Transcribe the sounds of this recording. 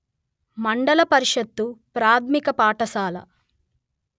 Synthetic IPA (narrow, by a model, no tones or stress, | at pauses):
mɐɳɖɐlɐpɐɾiʃɐt̪ːupɾaːt̪ʰmikɐpaːʈɐsaːlɐ̰